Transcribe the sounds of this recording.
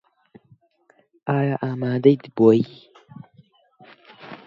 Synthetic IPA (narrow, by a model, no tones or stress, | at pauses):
ʔaːjaːʔaːmaːd̪ɐjd̪boːi